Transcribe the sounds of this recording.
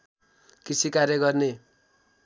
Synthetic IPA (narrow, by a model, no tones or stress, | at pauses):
kisʰikaɾjʌɡʌrne